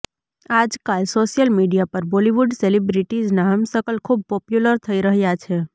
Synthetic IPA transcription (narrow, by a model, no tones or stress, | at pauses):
aːd͡ʒkalsoːʃijəlmiɖijapəɾboliʋuɖselibɾiʈid͡ʒnaɦəmsəkəlkʰub̚pɔːpjuləɾt̪ʰəiɾəɦjat͡ʃʰe